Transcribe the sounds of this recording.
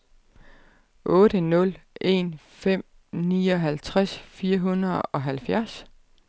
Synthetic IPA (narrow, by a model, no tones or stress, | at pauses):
ʔɔ̽ːɾ̥ənɔ̽lʔe̝̰nfem̰ | niːɒ̽ɦælt͡sʰʁasfiːɐɦunɐð̩ˠɒ̽ɦælfjæɐs